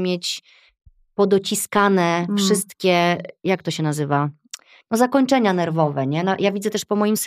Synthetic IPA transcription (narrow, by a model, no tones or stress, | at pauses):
mʲjet͡ɕ | pɔd̪ɔt͡ɕiskanɛfʂɘst̪kʲɛjak̚t̪ɔɕɛnazɘva | nɔzakɔɲt͡ʂɛɲanɛɾvɔvɛɲɛnajʔavʲid̪zɛt̪ɛʂpɔmɔjims